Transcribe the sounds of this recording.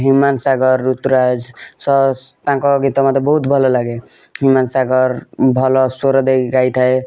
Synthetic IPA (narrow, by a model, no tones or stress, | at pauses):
ɦumansaɡəɾːut̪ːɾad͡ʒsʌt̪ãkɔɡit̪ɔmat̪ebəɦut̪bʱəlɔlaɡe | ɦumansaɡəɾbʱʌlɔsoɾɔd̪eɡajt̪ʰəj